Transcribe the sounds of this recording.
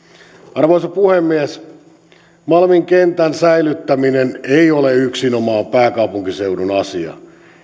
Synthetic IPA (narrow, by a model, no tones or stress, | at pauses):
ɑrʋoisɑpuhemːies | mɑlmiŋkent̪ænsæilyt̪ːæmineneioleyksinomɑːmpæːkɑupuŋkiseudunɑsiɑ̰